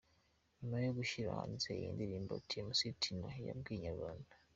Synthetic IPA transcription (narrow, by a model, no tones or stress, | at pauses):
majoɡuʃiɾa̰ːnzeijḭːndiɾiːmbo̰tiemusitʰinoja̰b̚ɡiːɲaβana